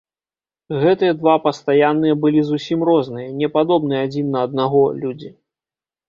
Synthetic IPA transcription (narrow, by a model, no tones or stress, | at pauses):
ɣɛt̪ɨjɛd̪vapɐst̪ajanːɨjɛɐbɨlʲizusʲimrɔznɨjɐnʲɛpad̪ɔbnɨjɛad͡zʲinːɐːd̪̚naɣɔlʲud͡zʲi